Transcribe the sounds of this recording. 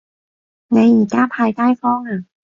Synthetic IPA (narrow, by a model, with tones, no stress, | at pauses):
na˧jʔiː˨˩kaː˥˩pʰaː˧jt̪aː˥˩jfɔː˥˩ŋa˧˩